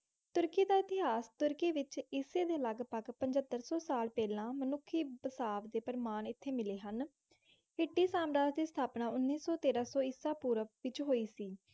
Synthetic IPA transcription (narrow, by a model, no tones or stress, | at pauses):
t̪ʊɾkiːd̪aːɪt̪ɪɦaːst̪ʊɾkiːʋɪt͡ʃɪseːd̪eːləɡpəɡpəɲd͡ʒət̪ːəɾsɔːsaːlpɛːlãːmənʊkʰːiːbəsaːʋd̪eːpəɾəmaːnɪt̪ʰːeːmɪleːɦən | ɪʈːiːsaːmɾaːd͡ʒd̪iːst̪ʰaːpnaːʊnːiːsɔːt̪eːɾaːsɔːiːsaːpuːɾəʋɪt͡ʃɦoːiːsiː